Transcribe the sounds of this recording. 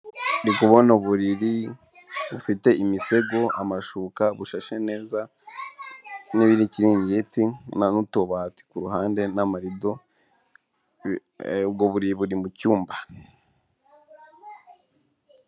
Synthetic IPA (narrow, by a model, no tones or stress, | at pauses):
ɾikuβo̞noβuɾiɾi | βufite̞ʔimise̞ɡo̞amaʃukaβuʃaʃene̞ːza | niβiɾiciɾiːɲɟetinanutoβaːti̥kuɾuɦaːnde̞namaɾido̞ | bɡoβuɾiβuɾimucuːmba